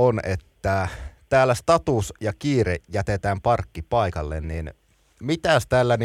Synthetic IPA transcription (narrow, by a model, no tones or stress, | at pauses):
onet̪ːæt̪æːlːæst̪ɑt̪usjɑkiːrejæt̪et̪æːmpɑrkːipɑˑikɑlːḛnnin | mit̪æst̪æːlːæn